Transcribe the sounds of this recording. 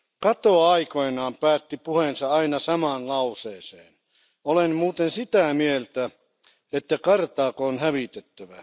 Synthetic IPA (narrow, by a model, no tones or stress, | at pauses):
kɑt̪oɑikoenɑːmpæːt̪ːipuhensɑɑinɑsɑmɑːnlɑuseːseːn | olenmuːt̪ensit̪æmielt̪æ | et̪ːækɑrt̪ɑːkoonhæʋit̪et̪ːæʋæ̰